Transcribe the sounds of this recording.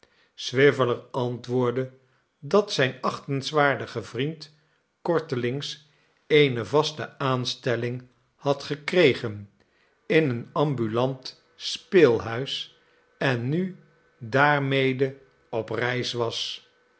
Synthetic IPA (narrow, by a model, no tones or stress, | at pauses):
sʋɪvələɹɑntʋʊːɹdə | dɑtsɛjnɑχtənzʋaːɹdəχəvrint | kɔɹtəlɪŋs | ejnəvɑstəaːnstɛlɪŋ | hɑtχəkrejχən | ɪnənɑmbylɑnt | speːlˠɦœɥs | ɛnːy | daːɹmejdə | ɔprɛjsʋɑs